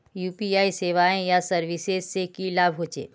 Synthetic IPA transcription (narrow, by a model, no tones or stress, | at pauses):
juːpiaːiseːʋaːẽjasɐɾʋisezsekilaːbʱɦoːt͡ʃḛː